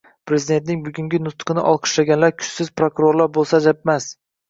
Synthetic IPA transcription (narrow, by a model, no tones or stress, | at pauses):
pʰɾe̞zid̪e̞nt̪nɪŋbʊɡʲʊŋɡʲɪnʊst̪qʰɨnɪʔɒlˠqʰɨ̥ʃlaɡʲanlaɾkʰʊ̥t͡ʃsɪzpɾokʊɾoɾlaɾbolˠsad͡ʒap̚mas